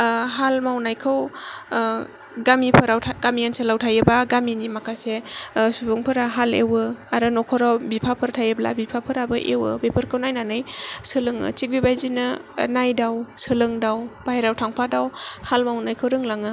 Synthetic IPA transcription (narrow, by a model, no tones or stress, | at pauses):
ɦalmawnajkʰɯw | ɡamipʰɯɾawtʰaɡamijanselawtʰajɯbaɡaminimakʰasesubɯŋpʰɯɾaɦalḛwɯaɾɯnɔkʰɔɾawbipʰapʰɯɾtʰajebla̰bipʰapʰɯɾabɯʔḛwɯ̰bepʰɯɾkʰɯwnajnanɯjsɯlɯŋɯ̰t͡ʃik̚bibajzinɯnajdawsɯlɯŋdawb̥ajɾawtʰaŋpʰadawhalmawnajkʰɯwɾɯŋlaŋɯ